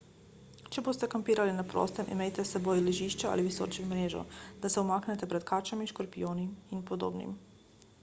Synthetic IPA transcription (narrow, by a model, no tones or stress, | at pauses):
t͡ʃɛboːst̪ɛkampiːɾalinapɾɔ̰ːst̪ɛmḭmejt̪ɛsɛboːjlɛʒiːʃt͡ʃɛa̰liʋiso̰ːɾt͡ʃɛmɾeːʒɔ̰d̪̥asɛumaːknɛt̪ɛpɾɛt̪kaːt͡ʃamiʃkɔɾpijoːniminpɔd̪o̰ːbnḭm